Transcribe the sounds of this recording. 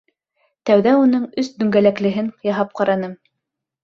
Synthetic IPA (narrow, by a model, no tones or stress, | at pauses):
t̪æwðæun̪ɤɴɵsd̪ɵ̆ŋɡælæklɘ̆ɦɘŋjɑɦɑp̚qɑɾɑnɤm